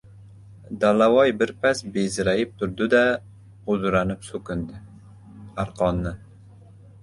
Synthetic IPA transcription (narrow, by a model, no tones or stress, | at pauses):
d̪ælæwɑjbɪɾpʰɛsbezɪɾæjɪp̚t̪ʰʊɾd̪ɨd̪ɛ | ʁʊzɾɑnɪpsokʲɪnd̪ɪ | æɾqʰɑnːɨ